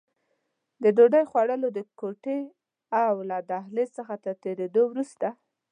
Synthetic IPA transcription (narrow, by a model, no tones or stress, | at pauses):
d̪əɖoɖajxwaɽəlod̪əkoʈe | awlad̪ahlesəxat̪aɾt̪eɾed̪owɾust̪a